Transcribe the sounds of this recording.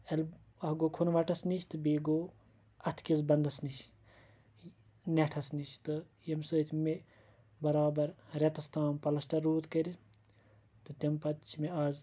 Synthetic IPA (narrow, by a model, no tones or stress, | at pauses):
ɐlʲ | ɐhɡokʰunʋɐʈɐsnit͡ʃʰʲt̪ɨbiɡoː | ɐt̪ʰkʲizbɐnd̪ɐsniʃʰ | nʲeʈʰɐsniʃt̪ɨ | jɐmsəːt̪ʰʲme | bɐɾaːbɐɾɾʲɐt̪ɐst̪aːmpɐlɐsʈɐɾːuːt̪kɐɾʲi | t̪ɨt̪ʲɐmpɐt̪t͡ʃʰimeaːz